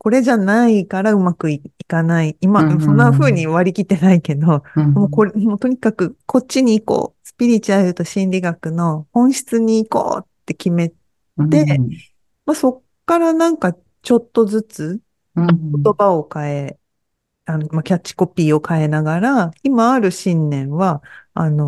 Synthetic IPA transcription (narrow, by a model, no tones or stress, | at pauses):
ko̞ɾe̞ʑanaikaɾaɯ̟makɯ̟iikanaiːmasõ̞nːaɸɯ̟ːɲ̟iβaɾʲikʲit̪e̞naike̞d̪o̞mokoɾot̪o̞ɲ̟ikakɯ̟kʰo̞t͡ɕːiɲ̟iːko̞̰ːsɨ̥pʲiɾʲit͡ɕɯaɾɯ̟t̪o̞ɕĩnɾʲiɡakɯ̟no̞hõ̞ɰ̃ɕi̥t͡sɨɲ̟iːko̞̰ːt̪ːe̞kʲime̞t̪ | e̞ | maso̞kːaɾanãŋka | t͡ɕo̞t̪ːo̞zɨt͡sɨ | ko̞t̪o̞bao̞kae̞ | anomakʲat͡ɕːi̥ko̞pʲiːo̞kae̞naɡaɾaimaːɾɯ̟ɕĩnːẽ̞ɰ̃βaano̞